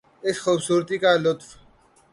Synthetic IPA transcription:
ɪsxuːbsuːɾt̪ikaːlʊt̪f

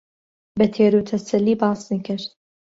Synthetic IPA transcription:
bɛt̪ʰeːɾut̪ʰɐsɐlːiːbɑːsnikɪɾt̪

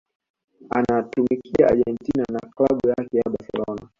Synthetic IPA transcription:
anatumikiaaʄɛntinanaklaɓujakɛjaɓaɾsɛ̰lɔna

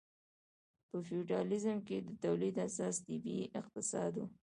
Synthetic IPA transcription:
pəfiuʈɑlɪzəmked̪ət̪awlid̪asɑst̪ibiʔɪqt̪ɪsɑ̰d̪u

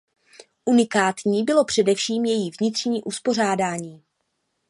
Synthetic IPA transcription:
ʔunɪkaːt̪ɲiːbɪlo̞pr̝̥ɛdɛfʃiːmjɛjivɲɪt̪r̥ɲiːʔuspo̞r̝aːdaːɲiː

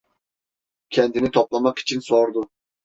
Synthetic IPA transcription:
kʲʰɛnd̪ɪnɪt̪ʰoplˠɑmɑqi̥t͡ʃʰinsoɾd̪ʊ

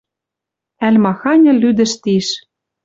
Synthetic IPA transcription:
ælʲmɑxɑnʲɤ̆lyd̪ɘ̆ʃt̪iʃ

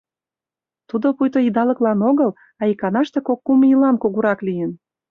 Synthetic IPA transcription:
t̪ud̪opujt̪oid̪ɑlə̆klɑnoɣəl | ɑikɑnɑʃt̪ekokːumilɑnkoɣuɾɑklijən

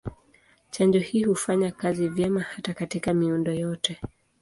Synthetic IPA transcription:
t͡ʃand͡ʒɔhiːhufaɲakazivjɛmahatakatikamiundɔjɔtɛ

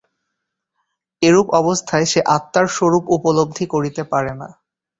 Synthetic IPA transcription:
eɾupɔbost̪ʰaeʃeʔat̪ːaɾʃoɾupupolob̚d̪ʱikoɾit̪epaɾena̰

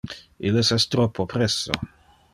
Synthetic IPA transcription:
ʔilesɛst̪ɾopʰːopɾesːo̰

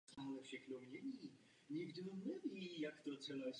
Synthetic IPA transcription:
alɛfʃɛxnomɲɛɲiː | ɲɪɡdnɛviːjakt̪ot̪t͡sɛlajs

